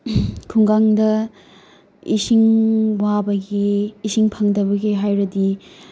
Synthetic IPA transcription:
kʰuŋɡaŋdɐ | isiŋwabɐɡiːsiŋpʰɐŋdɐbɐɡiɦajɾɐdi

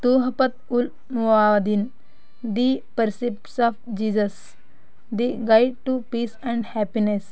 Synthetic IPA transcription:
t̪uːɦɐpɐt̪̚ul | muaːd̪in | d̪ipɐɾsipʈsɔfd͡ʒiːzɐs | d̪iɡaɪɖ̚ʈupiːsɛ̃ɳɖhɛpines

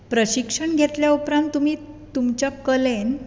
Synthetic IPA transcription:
pɾəɕikʂəɳɡʱet̪ljaupɾãnt̪ːumiː | t̪umt͡ɕjakəlen

